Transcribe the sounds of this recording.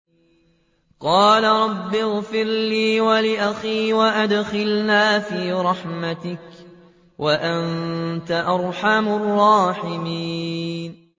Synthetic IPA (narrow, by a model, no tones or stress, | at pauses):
qɑːlaɾˤɑbːɪɣfɪɾliːwalɪʔaxiːwaʔad̪xɪlnaːfiːɾˤɑħmat̪ɪk | wʔaʔant̪aʔɑɾˤħamʊrˤːɑːħɪmiːn